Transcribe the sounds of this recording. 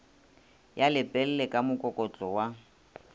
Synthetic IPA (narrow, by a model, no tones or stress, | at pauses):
jalɪpʼɛl̩lɛkʼamʊkʼɔkʼɔt͡ɬʼɔwa